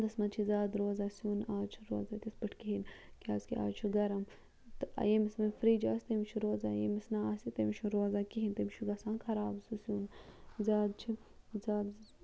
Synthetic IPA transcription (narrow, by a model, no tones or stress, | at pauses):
d̪ɐsmɐnt͡ʃʰizaːd̪ɾoːzaːsuːnaːt͡ʃʰu̥ɾo̰ːzaːt̪ʲisbɐʈʰkiɦinkaːzkia̰ːt͡ʃʰuɡɐɾɐm | t̪ɨɐ̰jemismɐfɾiːd͡ʒaːsʲt̪ɐmit͡ʃʰuɾoːzaːjḛmisnaaːsit̪ɐmit͡ʃʰuɾoːzaːkiɦint̪ɐmit͡ʃʰuɡɐsãːnkʰɐɾaːbsusuːnzaːd̪̚t͡ʃʰi | zaːd̪